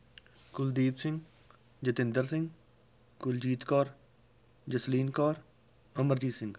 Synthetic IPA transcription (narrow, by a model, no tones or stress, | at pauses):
kʊld̪iːpsɪ̃ŋɡ | d͡ʒət̪ɪ̃nd̪əɾsɪ̃ŋɡ | kʊld͡ʒiːt̪kaːɾ | d͡ʒəsliːnkaːɾ | əməɾd͡ʒiːsɪ̃ŋɡ